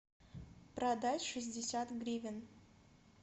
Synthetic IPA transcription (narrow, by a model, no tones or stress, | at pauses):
prad̪atʲʂɨzʲdʲɪsʲat̪ɡrʲivʲɪn